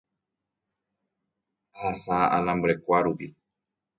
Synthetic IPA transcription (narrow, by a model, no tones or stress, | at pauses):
hasaʔalãmbɾekʷaɾupi